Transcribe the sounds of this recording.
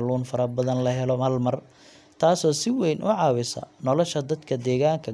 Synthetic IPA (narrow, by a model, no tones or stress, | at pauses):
luːnfɐɾɐbɐðɐnlɐɦɛlɔɐlmɐr | t̪ʰaːsɔːsɪwɛjnʔʊʕɑːwɪsɐ̰nɔlɔʃɐd̪ɐd̪kʰɐd̪ɛːɣaːŋkʰɐ